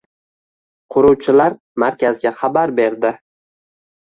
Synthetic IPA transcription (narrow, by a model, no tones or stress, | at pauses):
qʰʊɾuwt͡ʃʰɪlaɾ | maɾkʲʰazɡʲaχɑbaɾbe̞ɾd̪ɪ